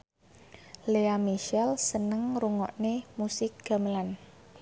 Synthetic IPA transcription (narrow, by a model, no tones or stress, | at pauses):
leamiʃɛlsənəŋruŋɔ̰ʔnemusɪk̚ɡ̥a̤məlan